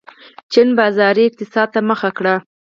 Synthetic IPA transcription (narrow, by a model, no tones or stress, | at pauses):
t͡ʃɪnbɑzɑɾiɪq̚t̪ɪsɑd̪̚t̪aməxakɽa